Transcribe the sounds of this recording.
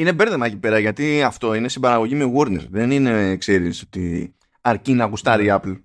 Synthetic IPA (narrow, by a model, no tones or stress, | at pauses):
ine̞be̞ɾðemɐcipe̞ɾɐʝɐt̪iɐft̪o̞ine̞sibɐɾɐɣo̞ʝimeɣoɾnḛɾðe̞nine̞kse̞ɾisot̪i | ɐɾcinɐkust̪ɐɾiɐpl